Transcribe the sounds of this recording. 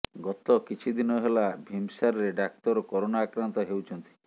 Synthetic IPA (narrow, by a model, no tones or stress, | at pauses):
ɡɔt̪ɔkit͡ʃʰid̪inɔɦelabʱimsaɾɔɾeɖak̚t̪ɔɾɔkɔɾonaːkɾant̪ɔɦewt͡ʃʰɔnt̪i̥